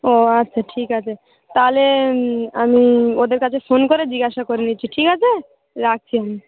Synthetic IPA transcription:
oatːɕʰaʈʰikat͡ɕʰe | t̪aɦole | amiod̪eɾkat͡ɕʰefonkoɾed͡ʑiɡaʃakoɾiniːt͡ɕʰiʈʰikat͡ɕʰe | ɾak̚t͡ɕʰiami

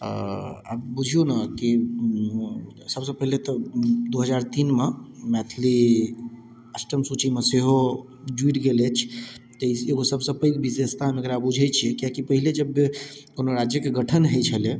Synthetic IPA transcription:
ə̰a̰bbud͡ʒʱijonaki | səbsə̃pəɦilet̪ɔd̪oɦəd͡ʒaɾt̪inmemɛt̪ʰli | əsʈəmsut͡ʃimeseɦo | d͡ʒuiʈɡelɛt͡ʃʰt̪əieɡosəbsəpəjkbid̪est̪ʰameəɡəɾabbud͡ʒʱɛt͡ʃʰiɛkiakipəɦiled͡ʒəbːekonoɾad͡ʒjəkeɡəʈʰənɦɛt͡ʃʰəle

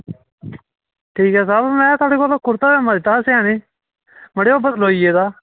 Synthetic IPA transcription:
ʈʰiːkɦɛːsaːbmɛ̃ːt̪ʊaːɽiːkolakʊɾt̪aːbeːmãd̪ɪt̪ːaːseaːniː | məɽeːoːbəd̪loːiːeːd̪aː

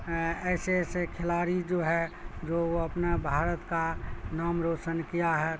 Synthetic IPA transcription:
ɛːsesekʰɪlaːɾid͡ʒoːɦɛd͡ʒooɐpnebʱaːɾət̪kanaːmɾoːsənkijaɦɛ

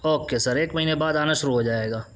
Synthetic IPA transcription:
oːkesɐɾeːkmɐɦiːnebaːd̪aːnaʃʊɾuɦod͡ʒaːeːɡaː

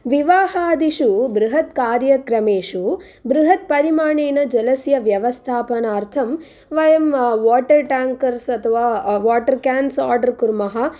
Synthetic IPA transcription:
ʋiʋaːhaːd̪iʃubɾuɦɐt̪kaːɾjɐkɾɐmeːʂu | bɾuɦɐt̪̚pɐɾimaːɳeːnɐd͡ʒɐlɐsjɐʋjɐʋɐst̪ʰaːpɐnaːɾt̪ʰɐm | ʋɐjɐmʋaːʈɐɾʈaːŋkɐɾsɐt̪ʰɐʋaːʋaːʈɐɾkjaːnsaːɾɖɐɾkuɾmɐɦɐ

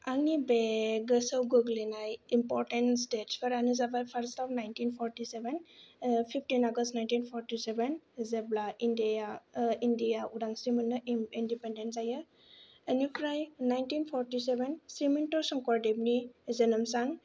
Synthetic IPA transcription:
aŋnibeɡəsəwɡoɡlinajimpɔɾʈenstetspʰaɾanizabaɾpʰaɾstapnajntinpʰɔɾtisebenpʰipʰtinaɡəstnajntinpʰɔɾtisebenzeblaindijaindijaudaŋsimanːəindipendents̬ajɯ | enukɾajnajntinpʰɔɾtisebensimintɔɾsɔŋkɔɾdebnizenəmsaŋ

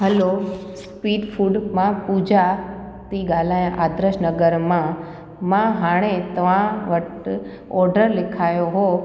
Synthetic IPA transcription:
ɦɐlo | spiːɖfʰuːɖmãpud͡ʑa | t̪iɡaːlaj̃ʔaːd̪ɾəʃnəɡəɾmã | mãɦaːɽ̃et̪ɐʋãʋəʈ | ɔːɾɖəɾlɪkʰaːjoɦoː

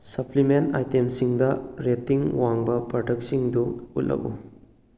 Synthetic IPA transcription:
sɐpʰlimentajtemsiŋdɐɾetːiŋwaŋbɐpɐɾtʰɐk̚siŋduṵtlːʔɐ̰kṵ

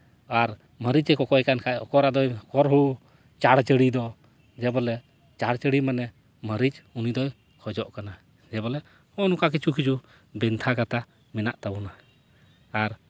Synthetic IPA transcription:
aɾ | məɾid͡ʒɛkɔkɔjkankʰajɔkɔɾad̪ɔjkɔɾɦu | t͡ʃaɽt͡ʃəɽid̪ɔ | d͡ʒɛbɔlɛ | t͡ʃaɽt͡ʃəɽimanɛ | məɾid͡ʒunid̪ɔj | kʰɔd͡ʒɔʔkana | d͡ʒɛbɔlɛ | hɔnukak̬it͡ʃʰukʰid͡ʒu | bɛnt̪ʰaɡat̪a | mɛnaʔt̪abunaː | ɾ

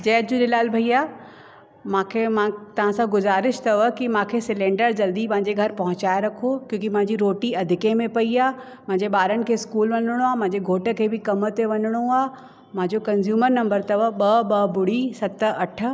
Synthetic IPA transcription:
d͡ʑɛːtd͡ʑũːɗelaːlbʱɐiaː | mãːkʰemãt̪ɐʋ̤ãsãɡʊzaːɾɪʃt̪ɐʋəkimãːkʰesɪlẽːɳɖəɾd͡ʑɐld̪ipɐ̃ɦɪ̃ɲd͡ʑeɡʱɐɾpɐɦʊ̃t͡ɕaːjɾɐkʰokjõːkimɐ̃ɦɪ̃ɲd͡ʑiɾoːʈiɐd̪ʱɪkẽmẽpɐiaː | m̤ɐ̃ɦɪ̃ɲd͡ʑeɓaːɾənɪ̆kʰeːɪskuːlʋɐɲəɽ̃oaːmɐ̃ɦɪ̃ɲd͡ʑeɡʱoːʈə̆kʰeːbɪkɐmət̪eʋɐɲəɽ̃oaː | mãɦɲd͡ʑokɐnzjuːməɾnɐ̃mbəɾt̪ɐʋəɓɐɓɐbʊɽ̤isɐt̪əɐʈʰə̆

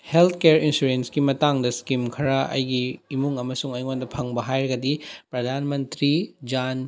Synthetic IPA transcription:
helt̪ʰkeɾinsuɾensɡimɐtaŋdɐskimkʰɐɾɐɐ̰jɡiːmuŋɐmɐsuŋɐjŋondɐpʰɐŋbɐɦajɾɐɡɐdipɾɐd̪ʱanmɐntɾid͡ʒan

